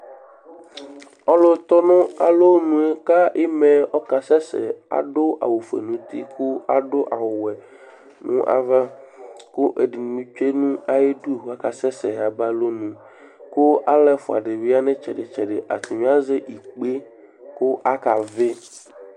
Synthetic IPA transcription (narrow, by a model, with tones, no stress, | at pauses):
ɔ˦lo˦t̪ɔ˦nõ˦a˨lo˦nũ˨e˦ka˦ʔe˦mẽ˨ɔ˦ka˨sɛ˦sḛ˨a̰˨ɖo˦ʔa̰˨wo˨fḛ˨nũ˨˦t̪ḭ˦ku˦a̰˨ɖo˦ʔa˨wwɛ˨ | nṵ̃˦ʔa̰˨va˦ko˦ʔe˨ɖi˨n˨mĩ˦t͡ʃe˦nũ˦a˦je˦ɖu˦ɦa˦ka˨sɛ˦sɛ˨a˨ba˦lo˦nũ˨ | ko˦a˦lɛ˦fo˨a̰˨ɖe˨vi˦a˦nẽ˦t͡ʃɛ̰˨ɖe˨t͡ʃɛ˨ɖe˨ʔa̰˨t̪u˨ɲõ˦a˦ze˦ʔi˨k͡pe˦ | ko˦ʔa˦ka˨ve˦